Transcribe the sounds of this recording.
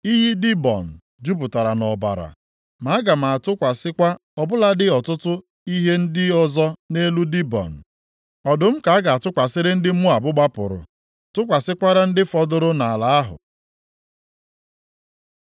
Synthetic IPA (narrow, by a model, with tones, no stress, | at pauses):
i˦ɦi˦di˦bɔ̰˨n̩˨ | d͡ʒu˦pʊ˨ta˨ɾa˨nɔ˨ba̰˨ɾa̰˨ | ma˨a˦ɡa˨m̩˨a˨tʊ˦kʷa˨sɪ˦kʷa˦ɔ˨bʊ˦la˦dɪ˦ɔ˨tʊ˦tʊ˦ | i˦ɦe˦n̩˦dɪ˦ɔ˦zɔ˦ne˦lu˦di˦bɔ̰˨n̩˨ | ɔ˨dʊ˨m̩˦ka˨a˦ɡa˨a˨tʊ˦kʷa˨sɪ˦ɾɪ˦n̩˦dɪ˦mu˦a˨bʊ˦ɡ͡ba˦pʊ˨ɾʊ̰˨ | tʊ˦kʷa˨sɪ˦kʷa˦ɾa˦n̩˦dɪ˦fɔ˦dʊ˦ɾʊ˦na˨la˨a˦ɦʊ̰˨